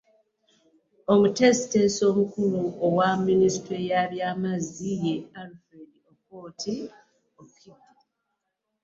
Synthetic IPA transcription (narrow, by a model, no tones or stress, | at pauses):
omute̞si̥te̞so̞ːmukuluowamːinistwejaːβjaːmazije̞alfɾedioko̞ːtʰi | okiba